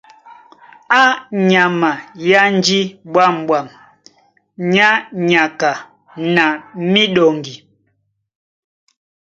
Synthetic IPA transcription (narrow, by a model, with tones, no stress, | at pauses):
a˦ɲa˨ma˨ja˦n˦d͡ʒi˦ɓwa˦˨m˨ɓwa˨m | ɲa˦ɲa˨ka˨ | na˨mi˦ɗɔ˨ŋɡi˨